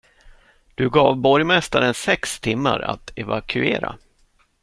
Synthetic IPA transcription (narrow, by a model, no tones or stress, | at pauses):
d̪̥ɵɡɑːvbɔɾjmɛst̪aɾənsɛkst̪ʰɪmːaɾa̰t̪ʰɛvakʰɵeːɾa̰